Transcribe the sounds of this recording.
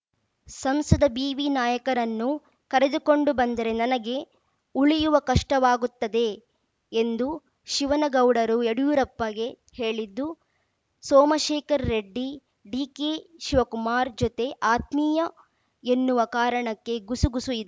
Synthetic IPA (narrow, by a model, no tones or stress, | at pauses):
sɐmsɐd̪ɐbiːʋinaːjɐkɐɾɐnːu | kɐɾe̞d̪uko̞ɳɖubɐnd̪ɐɾe̞nɐnɐɡe̞ | uɭijuʋɐkɐʂʈɐʋaːɡut̪ːɐd̪e̞ | end̪u | ʃiʋɐnɐɡɐwɽɐɾueɽujuɾɐpːɐɡe̞ | he̞ːɭid̪ːu | sɔːmɐʃeːkɐɾːeɖːi | ɖiːkeʃiʋɐkumaːɾd͡ʒot̪e̞ʔaːt̪miːjɐ | e̞nːuʋɐkaːɾɐɳɐkːe̞ɡusuɡusuid̪e